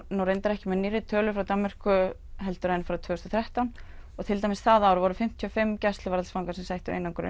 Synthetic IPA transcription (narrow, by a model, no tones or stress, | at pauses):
nuwɾejnt̪aɾɛhcɪmɛðniːrːɪt̪ʰœːlʏfɾawt̪amːɪr̥kʏ | ɦɛlt̪ʏɾajnfɾawt̪ʰvɛːʏst̪ɔθɾɛht̪awn | ɔɣt̪ʰɪlt̪ajmɪsθaðaawɾʏvɔɾʏfɪm̥t̪ʰːyɔfɪmːcɛst̪lʏaɾalsfawŋkasɛmsajht̪ʏḛjnawŋkʏɾɪ̰